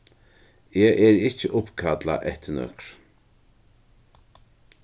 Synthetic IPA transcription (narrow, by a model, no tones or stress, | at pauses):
eːʔɛɾɪt͡ʃːəʔʊpkʰad̪la̰ʔɛht̪ʰɪnœ̰kɾ̥